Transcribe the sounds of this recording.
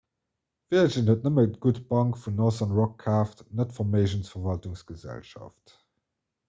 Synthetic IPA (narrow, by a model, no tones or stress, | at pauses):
viɐʒənhət̚nəmətɡ̥utb̥ɑŋkfunɔzɐnʁɔkʰːaːftnətfɔmeɪʒənsfɐvɑltuŋsɡ̥əzæ̰lʃɑ̰ft